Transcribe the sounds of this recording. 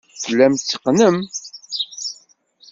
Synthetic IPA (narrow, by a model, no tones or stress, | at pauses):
θəlːæmt͡sːə̥qːnəm